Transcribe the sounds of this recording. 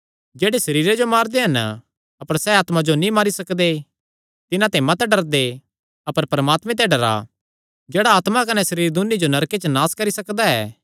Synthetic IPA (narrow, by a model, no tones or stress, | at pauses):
d͡ʒeːɽesɐɾiːɾed͡ʒomaːɾd̪eɦɐn | ɐpəɾsɛaːt̪mad͡ʒonĩmaːɾisɐkd̪e | t̪ɪnãt̪ɛ̃mɐt̪ɖɐɾd̪e | ɐpəɾpɐɾəmaːt̪mɛ̃t̪ɛ̃ɖɐɾa̰ | d͡ʒeːɽaaːt̪makɐnɛsɐɾiːɾid̪ʊnːid͡ʒonɐɾket͡ʃnaːskɐɾisɐkd̪aɛ̰ː